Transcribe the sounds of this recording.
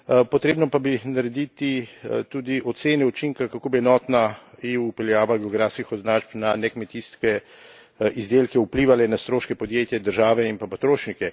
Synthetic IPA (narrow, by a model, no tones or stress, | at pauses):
pɔt̪ɾeːbnɔpabinaɾɛd̪it̪it̪ud̪iʔɔt̪seːnɛut͡ʃiŋkakakoːbiɛnɔːt̪naeuupɛljaːʋaɡɛɔɡɾafskixɔznat͡ʃpnanɛkmɛt̪iskɛ | ʔizd̪elkɛupliːʋalɛnast̪ɾoːʃkɛpɔd̪jeːt̪jɛd̪əɾʒaːʋɛimpapat̪ɾoːʃnikɛ